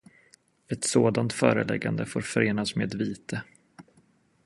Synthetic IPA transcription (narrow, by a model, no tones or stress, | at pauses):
ɛt̪soːd̪ant̪fœ̰ːɾəlɛ̰ɡːa̰nd̪əfoːɾfœɾeːnasmeːd̪viːt̪ʰə